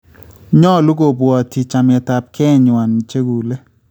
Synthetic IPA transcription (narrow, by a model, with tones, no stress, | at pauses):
ɲɔ˦˨lu˦ɡo˨bwɔ˨ti˨t͡ʃa˨m˨ɛ˨ta˨p̚kɛ˦˨ɲwa˨n˨t͡ʃe˦ɡu˨le˦